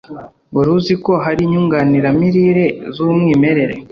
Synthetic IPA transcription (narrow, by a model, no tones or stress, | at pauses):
buɾuziko̞ɦaɾiɲuŋɡaniɾamiɾiɾezumŋiːme̞ɾe̞ɾe